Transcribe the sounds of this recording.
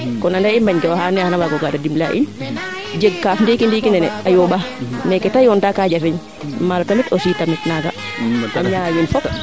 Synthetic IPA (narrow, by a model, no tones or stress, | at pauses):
kɔnandaimbaɲkɛwahanɛhanawaɡɔɡadadimla̰ʔḭn | d͡ʒeɡkafndikindikinɛnɛ̰ajɔɓamɛkɛtajɔntakad͡ʒafɛɲ | maltamitɔsiːtamitnaɡa | aɲajonfɔp